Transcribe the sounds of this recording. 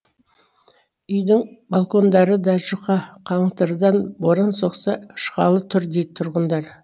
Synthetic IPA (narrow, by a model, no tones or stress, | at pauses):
ʏjd̪ɪŋbalˠko̞nd̪ɑɾəd̪ɑʒəqɑqʰɑɴt̪əɾd̪ɑnboɾənso̞qsɑʃqɑ̰lˠət̪ʰʏɾd̪et̪ʰʊɾʁənd̪ɑɾ